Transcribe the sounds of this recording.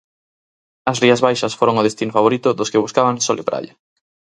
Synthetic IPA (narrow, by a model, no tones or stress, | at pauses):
ɐsriɐzβajʃɐsfoɾoŋʊðest̪inofaβoɾit̪ʊðʊskɪβuskaβaŋsolɪ̰pɾa̰ʎɐ